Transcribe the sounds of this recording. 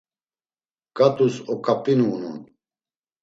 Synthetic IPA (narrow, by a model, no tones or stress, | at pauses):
kʼat̪ʼusɔkʼapʼinuːnṵn